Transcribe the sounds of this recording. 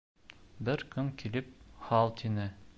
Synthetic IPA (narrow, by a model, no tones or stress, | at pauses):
bɘɾkɵŋkilɘp̚χɑlˠt̪ʰinɘ